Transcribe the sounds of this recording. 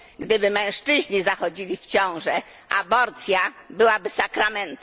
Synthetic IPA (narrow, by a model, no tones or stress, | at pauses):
ɡd̪ɘbɘmɛ̃w̃ʂt͡ʂɘʑɲizaxɔd͡ʑilʲift͡ɕɔ̃w̃ʐɛ | ʔa̰bɔɾt̪sʲjabɘwabɘsakɾamɛnt̪